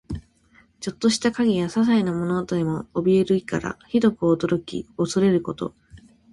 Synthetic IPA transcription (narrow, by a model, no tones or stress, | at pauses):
t͡ɕo̞t̪ːo̞ɕi̥t̪akaɡʲijasas̬ainamo̞not̪od̪emo̞ːbʲie̞ɾɯ̟ika̰ɾa̰çid̪o̞kɯ̟oːd̪o̞ɾo̞kʲḭo̞soɾe̞ɾɯ̟ko̞t̪o̞̰